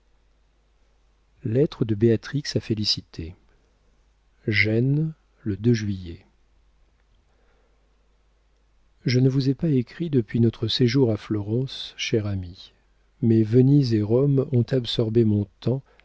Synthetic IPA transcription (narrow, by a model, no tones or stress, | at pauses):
lɛt̪χəd̪əbeat̪χiksafelisit̪ʰe | ʒɛn | ləd̪øʒɥijɛ | ʒənəvuzɛpaekχid̪əpɥinɔt̪χəseʒuʁaflɔʁɑ̃sʃɛʁami | mɛvənizeʁɔmɔ̃t̪absɔʁbemɔ̃t̪ɑ̃